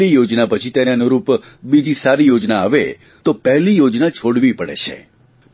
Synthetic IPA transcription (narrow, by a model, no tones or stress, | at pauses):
ijod͡ʒnapət͡ʃʰit̪eɾanoɾupbid͡ʒisaɾijod͡ʒnaːʋe | t̪opɛɦlijod͡ʒnat͡ʃʰoɽʋipəɽḛt͡ʃʰḛ